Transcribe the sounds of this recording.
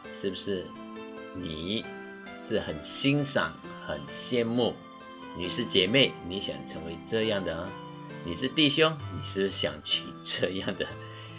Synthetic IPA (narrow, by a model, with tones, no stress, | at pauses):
ʂɻ̩˥˩bu˨˩ʂɻ̩˥˩ | ni˨˩ | ʂɻ̩˥˩xə˨˩nɕi˥ŋʂɑ̰˨˩˦ŋ | xə˨˩nɕjɛ˥˧nmu˥˩ | ni˨˩ʂɻ̩˥˩t͡ɕjɛ˨˩me˥˩ɪni˧˥ɕjɑ̰˨˩ŋt͡sʰə˧˥ŋwe˧˥ɪʈ͡ʂɤ˥˧jɑ˥˩ŋd̪ə˩˧˦ | ni˨˩ʂɻ̩˥˧t̪i˥˨˩ɕjʊ˥ŋni˨˩ʂɻ̩˥˩ʂ̩˥˩ɕjɑ̰˨˩ŋt͡ɕʰy̰˨˩ʈ͡ʂɤ˥˧jɑ˥˩ŋd̪ə˩